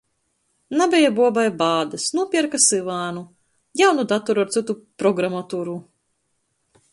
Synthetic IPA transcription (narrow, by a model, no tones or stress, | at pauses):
nabɛjabuɔbajbaːd̪ɨsnuɔpʲiɛɾkasɨvaːnu | jawnud̪at̪ɔɾuaɾt̪sɨt̪upɾɔɡɾamat̪uːɾu